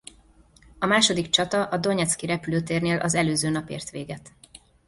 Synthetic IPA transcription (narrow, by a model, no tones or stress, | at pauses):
ɒmaːʃod̪ikt͡ʃɒt̪ɒʔɒd̪o̞ɲɛt̪skiɾɛpyløːt̪eːrneːlʔɒzɛløːzøːnɒpḛːrt̪ʋeːɡɛt̪